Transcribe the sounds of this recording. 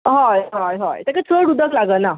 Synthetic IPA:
ɦajɦajɦa̰jt̪ɛkat͡səɽud̪ʱəklaɡəna

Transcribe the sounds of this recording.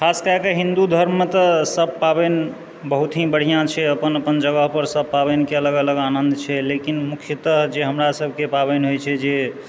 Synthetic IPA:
kʰaskəɛkeɦĩnd̪ud̪ʱəɾmmet̪əsəb̚paben | bəɦut̪ɦibəɽ̤ijãt͡ʃʰɛəpənəpənd͡ʒəɡəɦpəɾsəb̚pabenekeələɡələɡanənd̪t͡ʃʰɛlekinmukʰjət̪əɦd͡ʒeɦəmɾasəbʱkepaβenɦojt͡ʃʰɛd͡ʒe

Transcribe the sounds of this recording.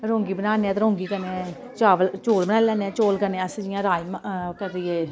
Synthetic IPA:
ɾõːŋɡiːbənaːneɛ̃ːt̪ɾõːŋɡiːkəneɛ | t͡ʃaːʋəlt͡ʃoːlbənaːlɛːneɛ̃ːt͡ʃoːlkəneːəsd͡ʒɪjãːɾaːimkəɾdɪːɛː

